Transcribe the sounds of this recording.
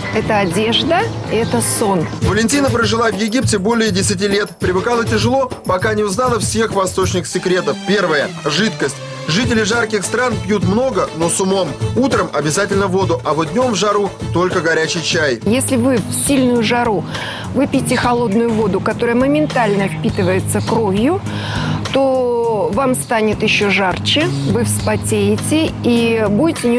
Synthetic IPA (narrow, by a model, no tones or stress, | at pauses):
ɛt̪əɐdʲe̞ʐd̪əɛt̪əso̞nvəlʲɪnʲtʲinəpɾəʐɨlˠavjɪɡʲip̚tʲɪbo̞lʲɪjədʲɪsʲɪt̬ʲilʲe̞t̪pɾʲɪvɨkalˠətʲɪʐɨlˠo̞pɐkanʲɪʊznalˠəfsʲe̞xvɐst̪o̞t͡ɕnʲɪxsʲɪkɾʲe̞t̪əfpʲe̞rvəjəʐɨt̪kəsʲtʲ | ʐɨtʲɪlʲɪʐarkʲɪxst̪ɾanpʲjut̪mno̞ɡəno̞sʊmo̞mut̪ɾəmɐbʲɪzatʲɪlʲnəvo̞d̪ʊʔɐvod̪d̪ʲnʲo̞mvʐɐɾut̪o̞lʲkəɡɐɾʲæt͡ɕɪjt͡ɕæjjesʲlʲɪvɨfsʲilʲnʊjʊʐɐɾu | vɨpʲɪtʲɪxɐlˠo̞d̪nʊjʊvo̞d̪ʊkɐt̪o̞ɾəjəməmʲɪnt̪alʲnəfʲpʲit̪ɨvəjɪt̪səkɾo̞vʲjʊ | t̪o̞vamst̪anʲɪt̪jɪɕːoʐart͡ɕɪvɨfspɐtʲejɪtʲɪibudʲɪtʲɪnʲɪ